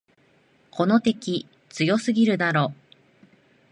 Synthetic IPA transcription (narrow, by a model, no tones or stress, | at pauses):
kʰo̞no̞t̪e̞kʲi | t͡sɨjo̞sɨɡʲiɾɯ̟d̪aɾo̞ː